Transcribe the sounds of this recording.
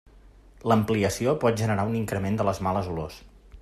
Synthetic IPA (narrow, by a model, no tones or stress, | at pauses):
ləmpliəsiopɔt̪̚ʒənəɾauniŋkɾəmend̪ələzmaləzulo̰s